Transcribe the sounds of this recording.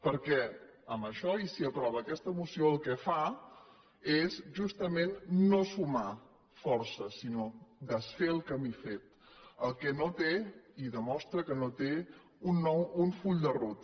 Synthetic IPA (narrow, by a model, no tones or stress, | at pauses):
pəɾkɛəmbəʃɔisiəpɾɔβəːkɛst̪əːmusioəlˠkɛfa | ezʒust̪əmenːosuma | fɔɾsəsinod̪əsfeəlˠkəmifet̪̚ | əlˠkɛnot̪eiðəmɔst̪ɾəkənot̪e | unːɔwuɱfuʎd̪ərut̪